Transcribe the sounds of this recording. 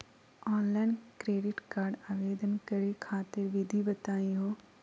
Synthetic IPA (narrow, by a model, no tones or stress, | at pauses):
ɔːnlaːɪnkɾeːɖɪʈkaːɾɖaːʋeːd̪ənkəɾekʰaːt̪ɪɾʋɪd̪ʱibət̪aːĩɦoː